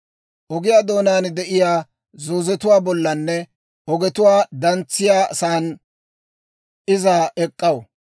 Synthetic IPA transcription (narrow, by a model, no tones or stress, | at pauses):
ʔɔɡɪjaːd̪o̞ːnaːnd̪ɛʔɪjaː | zoːzɛt̪ʊwaːbɔlːɐnːɛ | ɔɡɛt̪ʊwaːd̪ɐnt͡sːɪjaːsaːn | ɪzaːɛkʼːɐw